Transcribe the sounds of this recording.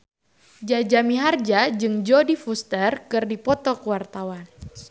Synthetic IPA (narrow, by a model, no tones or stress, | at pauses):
d͡ʒad͡ʒamiɦard͡ʒad͡ʒɨŋd͡ʒɔdifust̪ərkɨrdipɔt̪ɔkəwart̪awan